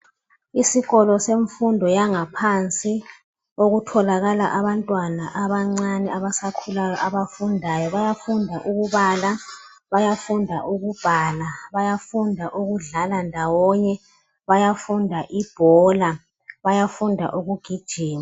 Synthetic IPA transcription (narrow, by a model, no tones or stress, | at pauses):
isiɣɔlɔseɱfundʱɔjaŋapʰant͡sʼi | oɣutʰɔlaɣalaʔaβantʼwanaʔaβaŋ͡ǀanɛaβasakʰulajɔʔaβafundʱajɔβajafundʱaʔuɣuβaːla | βajafundʱaʔuɣub̥ʱaːlaβajafundʱaʔuɣuɮalandʱawɔɲɛ | βajafundʱaʔib̥ʱɔla | βajafundʱa̰ʔuɣuɡ̥ʱid̥ʒ̥ʱiːma